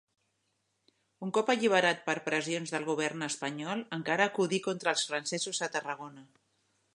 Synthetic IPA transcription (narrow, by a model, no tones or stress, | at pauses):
uŋkɔpəʎiβəɾat̪̚pəɾpɾəzionzðəlˠɣuβ̞ɛɾnəspəɲɔlˠəŋkaɾəːkuðikont̪ɾəːlˠsfɾənsɛzuzət̪ərəɣ̞onə